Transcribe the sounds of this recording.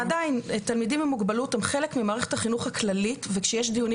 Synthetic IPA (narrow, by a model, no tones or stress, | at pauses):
adaintalmidimamuɡbaluthemχelekmimaːʁe̞χethaχinuχhaklalitvekʃejeʃd̪ijuni